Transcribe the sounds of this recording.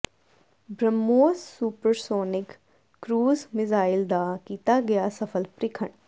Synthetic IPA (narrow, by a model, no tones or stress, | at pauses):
bɾəmːoːssuːpəɾsoːnɪkː | ɾuːzmɪzaːɪld̪aːkiːt̪aːɡɪjaːsəpʰəlpɾɪkʰəɳ